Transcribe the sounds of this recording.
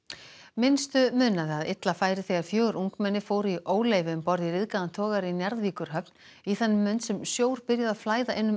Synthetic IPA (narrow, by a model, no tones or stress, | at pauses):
mɪnst̪ʏmʏːnaðɪaðɪt̪lafaːjɾɪθɛːɣaɾ̥fjœːɣɾʔuŋkmɛnːɪfoːwɾiʔoːwleːjvɪmpɔɾðiɾɪðkaðant̪ʰɔːɣaɾinjɛɾðviːkʏɾ̥ɦœp̚n | iθanːɪmːʏnt̪sɛmsjoːwɾ̥pɪɾjaðaðflaːjðaʔɛnːʏm